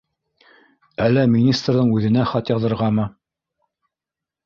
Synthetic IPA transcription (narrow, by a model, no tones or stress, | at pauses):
ælːæmʲinʲist̪rðɤɴʉðɘ̆næχɑt̪jɑðɤ̆ɾʁɑmɤ